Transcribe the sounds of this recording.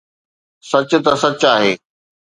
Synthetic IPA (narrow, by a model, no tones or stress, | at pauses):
sɐt͡ɕʊ̆t̪ɐsɐt͡ɕaːɦeː